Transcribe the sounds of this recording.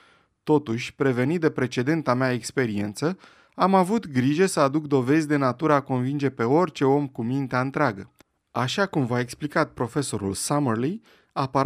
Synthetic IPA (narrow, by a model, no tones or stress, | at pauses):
t̪o̞t̪uʃʲpɾe̞ve̞nit̪̚d̪e̞pɾe̞t͡ʃe̞d̪e̞nt̪ameaekspe̞ɾie̞nt̪sə | amavut̪ɡɾiʒe̞səad̪ukd̪o̞ve̞zʲd̪e̞nat̪uɾəako̞nvind͡ʒe̞pe̞o̞rʲt͡ʃe̞o̞mkumint̪eaɨnt̪ɾeaɡə | aʃakumvae̞ksplikat̪̚pɾo̞fe̞so̞ɾṵlsamərli | apa